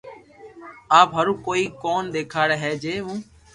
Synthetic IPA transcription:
aːpɦəɾũːkoːiːkoːnd̪eːkʰaːɽeːɦɛːd͡ʒeːɦũː

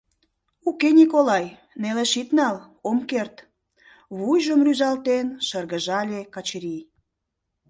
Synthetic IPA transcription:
ukenʲikolɑj | neleʃit̪nɑl | omkert̪ | βujʒəmryzɑlt̪enʃərɣə̆ʒɑlʲekɑt͡ɕɾij

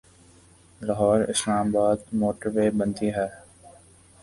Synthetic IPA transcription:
laɦɔːɾɪ̰slaːmbaːd̪moːʈəɾʋeːbə̃nd̪iːɦɛː

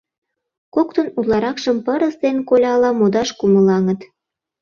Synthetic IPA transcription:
kokt̪ŏnulɑɾɑkʃəmpəɾəst̪enkolʲɑlɑmod̪ɑʃkumə̆lɑŋət̪

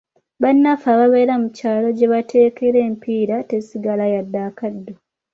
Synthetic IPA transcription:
βanːafaβaβe̞ːɾamucaːlo̞ɟe̞βatʰe̞ːke̞ɾe̞ːmpiːɾate̞siɡalajadːaːkadːo

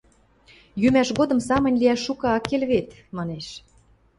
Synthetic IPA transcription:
jymæʃɣod̪ɤ̆msɑmə̆nʲliæʃːukɑɑkːelβet̪ | mɑneʃ

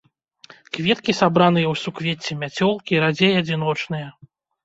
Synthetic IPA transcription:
kvʲɛt̪kʲisabɾanɨjɐwsukvʲet͡sʲːɛmʲat͡sʲɔlˠkʲiɾad͡zʲejɐd͡zʲinɔt͡ʂnɨjɐ

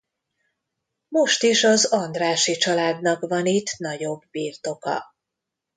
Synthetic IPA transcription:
mo̞ʃt̪iʃɒzɒnd̪raːʃit͡ʃɒlaːd̪nɒkvɒnit̪nɒɟo̞bːiːrt̪o̞kɒ̰

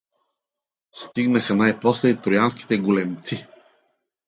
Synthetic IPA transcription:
st̪iɡnəxənajpɔslɛit̪ɾʊjanskʲi̥t̪ɛɡʊlɛmt̪si

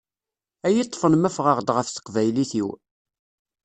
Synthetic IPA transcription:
æjit̪ˤːfənmæfʁəʁd̪ʁəfθə̥qvæjliθiw

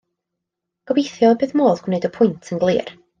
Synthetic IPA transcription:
ɡ̥ɔbejθjɔbɨːðmoːðɡ̥ʊnejdɔpʰʊjntʰənɡlˠɨ̰ːr

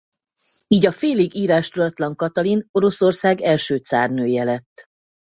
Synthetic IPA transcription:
iːɟɒfeːliɡiːɾaːʃt̪ud̪ɒt̪lɒŋkɒt̪ɒlino̞ɾo̞so̞rsaːɡɛlʃøːt̪sa̰ːrnøːjɛlɛt̪ː

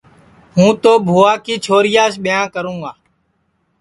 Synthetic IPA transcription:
ɦũːt̪oːbʱoːaːkiːt͡ʃʰoːɾɪjaːsɓɪjãːkəɾũːɡaː

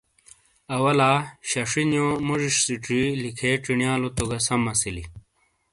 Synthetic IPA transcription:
ɐwɐlaːɕɐʂinjõmoʐiʂsiʈ͡ʂilikʰeːʈ͡ʂiɳjaːlot̪oɡɐsɐmɐsilḭ

